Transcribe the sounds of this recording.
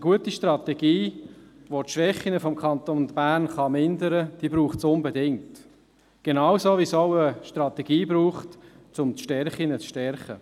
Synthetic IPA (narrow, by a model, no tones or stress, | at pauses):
əɡuətiʃtrɑt̪ɛɡiː | ʋotʃʋɛχːinəfɔmkχɑnt̪ond̪b̥æːnχɑmɪndəɾəd̥iːbɾuːχsʊnbedɪŋt | ɡ̥enawsoːvisɔʊəʃtɾɑt̪ɛɡ̥iːbɾuːχt | t͡sʊmt͡sʃtɛɾχinət͡sʃtɛɾχə